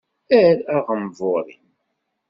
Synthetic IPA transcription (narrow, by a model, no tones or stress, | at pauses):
æɾæʁəmvoɾˤḭn